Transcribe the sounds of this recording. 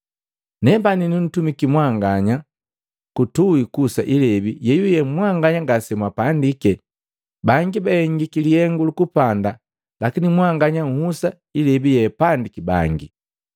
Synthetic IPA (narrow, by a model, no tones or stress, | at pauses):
nɛbaninun̩tumikimwaŋɡaɲa | kutuikusaʔilɛbijɛjujɛmwaŋɡaɲaŋɡasɛmwapandikɛ | baŋɡibaɛŋɡikiliɛŋɡulukupanda | lakinimwaŋɡaɲaŋ̩husa | ilɛbijɛpandikiba̰ŋɡi